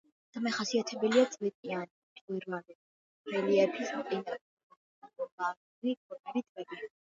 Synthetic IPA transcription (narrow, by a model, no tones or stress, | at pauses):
d̪̥amɛχasiat̪ʰɛbɛliat̪sʼlipʼianit̪ʼiɾmanɛ | ɛliɛpʰismt̪ʼinʼa | aɔmaɾ | vikʰɔpʰɛbit̪ʼvɛbi